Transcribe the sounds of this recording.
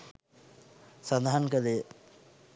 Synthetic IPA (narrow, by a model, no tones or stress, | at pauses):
sand̪aɦankəle